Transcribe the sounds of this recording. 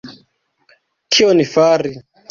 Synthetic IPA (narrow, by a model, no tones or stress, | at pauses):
kʰionifaɾi